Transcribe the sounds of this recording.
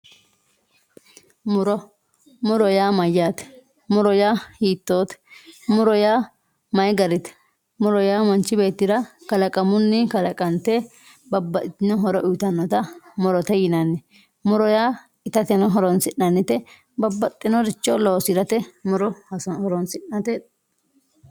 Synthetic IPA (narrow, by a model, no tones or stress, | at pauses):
mʊɾɔ | mʊɾɔjaːmɐjːaːt̪ɛ̥ | mʊɾɔjaːhiːt̪ːoːt̪ɛ̥mʊɾɔjaː | mɐjɡɐɾɪt̪ɛ̥ | mʊɾɔjaːmɐnt͡ʃːɪbe̞ːt̪ːɪɾɐkɐlɐkʼɐmʊnːɪkɐlɐkʼɐnt̪ɛ | bɐbːɐt̪ɪnɔɦɔɾɔʔʊt̪ɐnːɔt̪ɐmʊɾɔt̪ɛjɪnɐnːɛ | mʊɾɔjaː | ɪt̪ɐt̪ɛnɔɦɔɾɔnsɪnːɐnːɪt̪ɛ | bɐbːɐt̪ʼːɪnɔɾɪt͡ʃːɔloːsɪɾɐt̪ɛmʊɾɔɔhɔɾɔnsɪnːɐt̪ɛ